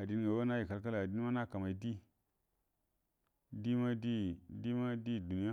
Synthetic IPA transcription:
a˨di˦n˦ɡa˨wa˦na˦ji˨ka˨lka˦la˨a˨di˦n˦ma˦na˦ka˨ma˨i˦di˦ | di˦ma˦di˦di˦ma˦di˦˨du˨ni˦ja˦

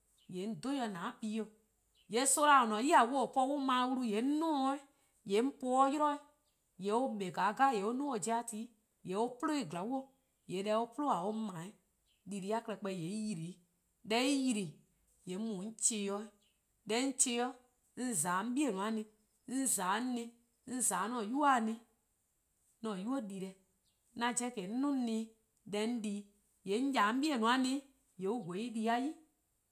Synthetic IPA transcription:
jɛ˨˦n̩˦do˦jɔ˧nãː˨˦piː˨˦jɔ˧ | jɛ˨˦so˦la˧˨o˨nɔ̃˨˦ji˦a˨wo˦o˨pɔ˧˦wo˦mã˨˦wu˦˧ɾu˧˦je˨˦n̩˦nɔ̃ː˦i˦ | jɛ˨˦m̩˦pɔː˧˦ɔ˦ji˦ɾɔ˦i˨ | jɛ˨˦o˦ɓɛ˨ɡa˨˦ɡa˦˨jɛ˨o˦nũː˦o˨d͡ʒi˦a˦˧˨tiː˨˦ | jɛ˨˦o˦po˦lo˦e˨ɡla˨˦wo˦ | je˨˦lɛ˧˦o˦po˦lo˦a˨o˦mãː˨˦ĩ˦ | li˧˨ɾi˧˦a˦˨kə˧ɛ˧˨k͡pɛ˧˨je˨˦i˦ji˧˨ɾi˨˦ | ɗɛ˧˦i˦ji˧ɾi˨ | je˨˦mũ˨˦n̩˦t͡ʃeː˧˦jɔ˧˦ | ɗɛ˧˦n̩˦t͡ʃeː˧˦jɔ˦ | n̩˦zaː˨˦˧n̩˦ɓi˦ɛ˦˨nũ˨ã˨˦nĩ˧˦ | n̩˦zaː˨˦nĩ˧ | n̩˦zaː˨˦nɔ̃˨ju˦a˦˨nĩ˧ | nɔ̃˨ju˦o˦ɗi˨ɾɛ˧ | nã˧d͡ʒɛ˧˦kɛ˨˦n̩˦nũ˦nĩ˧˦ | ɗɛ˧˦n̩˦diː˧˦ | je˨˦n̩˦jaː˨˦m̩˦ɓi˦ɛ˨nũ˨ã˦nĩ˦ | je˨˦u˦ɡo˨˦i˦ɗi˧˦a˦ji˦

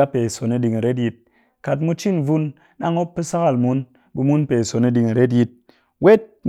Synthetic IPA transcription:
a˦pe˨so˨ni˧ɗi˧ŋi˨ɾe˦t̬ji˧t̚ | ka˨t̬mu˧t͡ʃi˦˨nvu˧n | na˦ŋo˦pːɨ˦sa˦ka˨lmu˦n | bu˧mu˦npe˨so˨ni˧ɗi˧ŋi˨ɾe˦t̬ji˧t̚ | we˦t̚

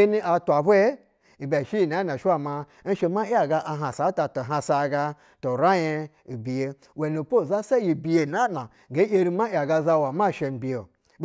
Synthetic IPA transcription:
e˦ni˦ʔa˧tʷa˨bu˦e˦ | i˨bʲa˨ʃi˦ji˨n˨a˨˦na˨ʃi˦wa˨ma˧˦ | n̩˦ʃe˧ma˦a˨ɡa˧ʔa˧ɦa˨sa˨˦ta˧to˨ɦa˧sa˧˨˧ɡa˧ | to˨ɾa˦je˧ | i˨bi˨je˧ | we˨nu˨po˦˨za˦sa˦ji˨bi˨je˨na˦nna˨ɡe˦je˧ɾi˧ma˦ja˨ɡa˧za˧wa˨ma˦˨ʃe˧n̩˨bi˨je˨

